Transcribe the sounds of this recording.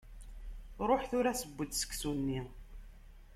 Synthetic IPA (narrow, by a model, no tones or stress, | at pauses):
ɾˤoħθʊɾæsəbːəd̪sə̥kːsunːi